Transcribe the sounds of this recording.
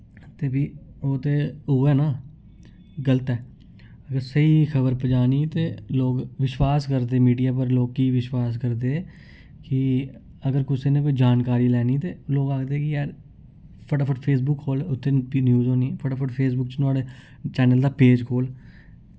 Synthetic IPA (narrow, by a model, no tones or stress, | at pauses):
t̪eːbiːoːt̪eːoɛːnãː | ɡələt̪ɛː | əɡəɾsəiːkʰəbəɾpəd͡ʒaːniːt̪eːloːɡʋɪʃwaːskəɾd̪eːmiːɖijaːp̬əɾloːɡ̚kiːʋɪʃwaːskəɾd̪eː | kɪ | əɡəɾkʊseːneːkod͡ʒaːnkaːɾiːlɛːniːt̪eːloːɡaːkd̪eːɛkɪaːɾ | pʰəʈaːpʰəʈpʰeːs̬bʊkhoːlʊt̪ʰːeːnjuːzõːniːɛːpʰəʈaːpʰəʈpʰeːs̬bʊkt͡ʃt̪ʊaːɽeː | t͡ʃɛːnəld̪aːpeːd͡ʒkʰoːl